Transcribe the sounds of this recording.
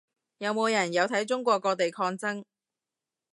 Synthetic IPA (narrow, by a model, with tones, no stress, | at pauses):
jɐ˨˧wmo˨˧wjɐ˨˩njɐ˨˧wt̪ʰɐ˨˥jt͡ʃʊ˥ŋkʷɔː˧kːɔː˧t̪e˨jkʰɔː˧ŋt͡sɐ˥ŋ